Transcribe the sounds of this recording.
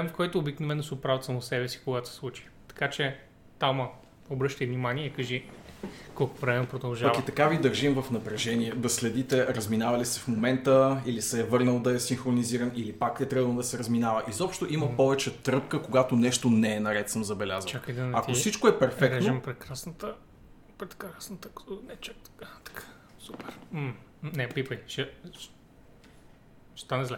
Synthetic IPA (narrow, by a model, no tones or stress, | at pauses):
ɛmkɔjt̪oːbiknovɛnːʊsɛʊpɾavət̪sɐmosɛbɛsi̥koɡat̪sɛ̥slˠut͡ʃi̥t̪ɐ̥kat͡ʃɛ | t̪amɐ | obɾɤʃt̪əjvnimaniɛkɐʒi | kɔlˠkvɾɛmɛnpɾod̪ɐlˠʒapɐavkit̪ɐkavid̪əɾʒimvəfnɐpɾɛʒɛniɛd̪ɐslɛd̪it̪ɛɾəzminavɐlisɛfmomɛnt̪əilisɛːvɤɾnəlˠd̪ɐɛsinxɾoniziɾənilipak̚t̪ɛt̪ɾəbəlˠd̪ɐsɛɾəzminavəʔizɔpʃt̪oʔiməpɔvɛt͡ʃɛt̪ɾɤpkəkoɡat̪onɛʃt̪onɛːnɐɾɛt̪səmzɐbɛlʲazvəakəjd̪ɐnɐkkosit͡ʃkoɛpɛɾfɛkɾɛnʒoɛmpɾɛkɾasnət̪ə | pɾɛt̪kɾasnət̪ək̪ɔnɛt͡ʃɛt̪kat̪ɐ̥kḁ | supɛɾ̩ | nɛpipət͡ʃɛ | ʃt̪anɛzlʲɛ